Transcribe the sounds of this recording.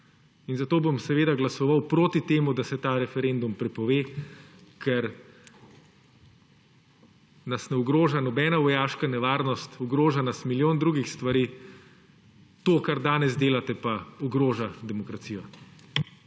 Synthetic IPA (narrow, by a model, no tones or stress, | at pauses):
inzat̪oːbomsɛʋeːd̪aɡlasɔʋawpɾoːt̪it̪eːmud̪asɛt̪aːɾɛfɛɾend̪umpɾɛpɔʋeː | kʰɛɾ | nɐsnɛuɡɾoːʒanɔbɛːnaʋɔjaːʃkanɛʋaːɾnɔst̪uɡɾoːʒanasmiljoːnd̪ɾuːɡixst̪ʋaɾiː | t̪oːkaɾd̪aːnɛzd̪eːlat̪ɛpaɔɡɾoːʒad̪ɛmɔkɾat̪siːjɔ